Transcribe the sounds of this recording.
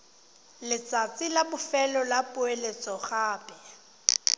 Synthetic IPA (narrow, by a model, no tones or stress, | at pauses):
lɪt͡sʼat͡sʼɪlabʊfɛlɔlapʼʊelet͡sʼɔɣaːpʼɛ